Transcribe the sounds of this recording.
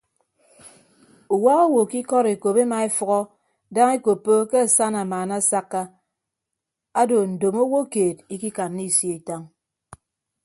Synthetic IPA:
u˨wa˦o˦wo˨ki˦kɔ˦ɾe˨ko˨pe˦ma˨e˦fɔ˦ɣɔ˦ | da˦ŋe˦ko˨pːo˦ke˦a˨sa˦na˨maː˨na˦˨˦sa˦kːa˦ | a˦do˨n̩˨do˨mo˦wo˦keː˨ti˦ki˦ka˨nːi˦˨sje˦i˨ta˦ŋ

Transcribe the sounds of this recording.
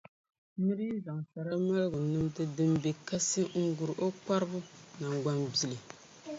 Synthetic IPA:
nɨ˦ɾɨ˦ji˦za˨ŋ˨sa˨ɾa˦ma˦lɡʊ˨nɨ˦mdɨ˦dɨ˦mbe˨ka˦sɨ˦ŋ̩˦ɡu˨ɾɨ˨ʔo˦k͡pa˦ɾɨ˦bʊ˦na˨ŋɡ͡ba˦mbi˦lɨ˨

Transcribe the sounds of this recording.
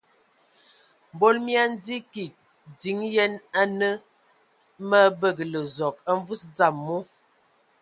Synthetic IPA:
m̩˨bo˦lmja˦n̩˦di˦ki˨k̚ | di˨˦ŋjɛ˦na˦nə˦ | mə˦bə˦˨ɡə˨lə˨zɔ˨ka˦ɱ˦vu˦sd͡za˨mːo˦

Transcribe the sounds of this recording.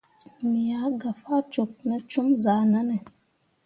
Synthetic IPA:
mi˨ja˨˦ɡa˨fa˦t͡ʃo˨k̚nə˨t͡ʃu˦mza˨˦na˦ne˨

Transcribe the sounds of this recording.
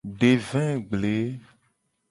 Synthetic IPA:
ɖe˨vɛ̃˦ɡ͡ble˨˦

